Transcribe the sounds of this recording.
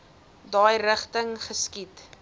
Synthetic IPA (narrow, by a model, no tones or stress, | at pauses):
dɑjrəχtəŋχəskit